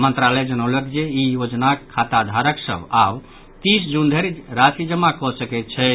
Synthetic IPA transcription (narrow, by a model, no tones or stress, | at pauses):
mənt̪ɾalɛd͡ʒənəwlɛkd͡ʒeijod͡ʒnakʰat̪ad̪ʱaɾəksə̰bab | t̪isd͡ʒund̪ʱeɾiɾasid͡ʒəmːakɔsəkɛt̪̚t͡ʃʰɛ